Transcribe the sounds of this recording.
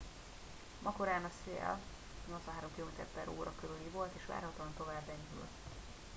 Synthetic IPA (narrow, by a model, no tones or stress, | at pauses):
mʔɒkoɾaːnɒsḛːl | nozɒɦaːɾo̞mkiloːmeːt̪ɛɾpɛɾo̰ːɾɒ̰køɾylivo̞lt̪eːʃʋa̰ːrhɒt̪oɒnt̪o̞vaːbːɛɲɾy̰lt̪